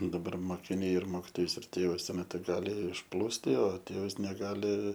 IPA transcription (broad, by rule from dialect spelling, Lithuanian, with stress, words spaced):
dɐˈbɐr moːkʲɪˈnʲɛɪ ɪr ˈmoːkʲɪtoːjʊs ɪr ˈtʲeːʋʊs ˈtuɔ ˈmʲæːtʊ ˈɡɑːlʲɪ ɪʃˈplˠuːsʲtʲɪ oː ˈtʲeːʋɐs nʲɛˈɡɑːlʲɪ